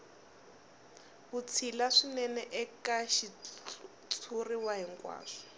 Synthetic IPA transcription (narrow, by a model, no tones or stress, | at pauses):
βut͡sʰilaʂinɛnɛʔɛkaʃi | t͡sʰuriwaɦiŋkʼwa̰ːʂɔ̥